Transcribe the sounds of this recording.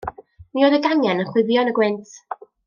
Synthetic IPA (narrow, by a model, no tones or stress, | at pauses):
nioðəɡaŋjɛnənχwɪvjɔnəɡwɪntʰ